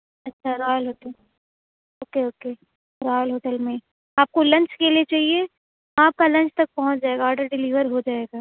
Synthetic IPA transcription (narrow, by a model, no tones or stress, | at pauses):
ɐtːʃʰaɾɔːjəlɦoːʈəl | oːkeoːke | ɾɔːjəlɦoːʈəlmẽ | aːp̚kolɐ̃ɲt͡ʃkeliet͡ʃaːɦie | ãːp̚kalɐ̃ɲt͡ʃt̪ɐk̚pɐɦʊ̃t͡ʃd͡ʒaːeɡaːɾɖəɾɖɪliːʋəɾɦod͡ʒaːeːɡaː